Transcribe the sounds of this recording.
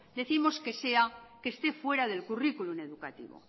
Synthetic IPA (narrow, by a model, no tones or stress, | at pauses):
d̪e̞θimo̞ske̞se̞akeːst̪e̞fwe̞ɾaðe̞lkurikulune̞ðukat̪ḭβo̰